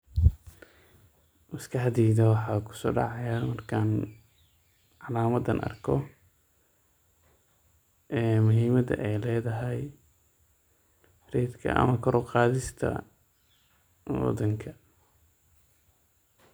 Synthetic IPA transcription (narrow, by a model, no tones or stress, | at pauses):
wɪskʰɐħɑd̪iːðɐwɑħɑːkʰʊ̥sɔːɖɑ̰ʕɑjamɐrkʰaːn | ʕɑlaːmɐd̪ɐnʔɐ̰rkʰɔ | ɛːmʊɦiːmɐd̪ɐ̰ʔɛjlɛːðɐɦɛj | rɛːd̪kʰɐ̰ʔɐ̰mɐkʰɔɾɔqɑːðɪst̪ʰɐ̰ | wɑ̰d̪ɐŋkʰɐ